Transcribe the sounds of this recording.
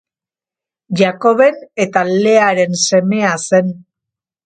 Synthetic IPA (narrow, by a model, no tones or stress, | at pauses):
ʝako̞βe̞ne̞t̪ale̞aɾe̞nse̞me̞ase̞n